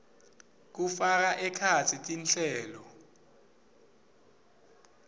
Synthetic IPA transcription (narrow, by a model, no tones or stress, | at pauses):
k̬ufak̬aʔɛkʰat͡sʰitʼinɬɛːlɔ